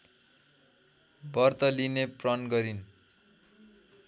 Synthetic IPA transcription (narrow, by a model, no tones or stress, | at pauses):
bʌrt̪ʌlineprʌnɡʌɾin